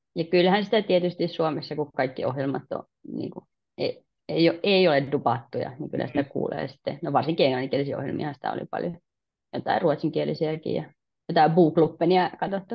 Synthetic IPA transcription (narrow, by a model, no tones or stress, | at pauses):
jɑkylhænsi̥t̪æt̪iet̪yst̪issuomesːɑkukkɑikːiohjelmɑt̪ːõ̰ | nḭːŋku | ei | eijoʔʔeˑioleddupɑt̪ːujɑ̰niŋky̰lhæ̰si̥t̪ækṵːlḛːsi̥t̪ːḛnoʋɑrsiŋkieŋlɑniŋkielisio̰hjḛlmḭhɑnsi̥t̪æ̰o̰lḭpɑ̰ljo | jot̪ɑiruot̪siŋkielisiækḭjɑ | jot̪ɑˑibuːklupːeniɑkɑt̪ot̪ːu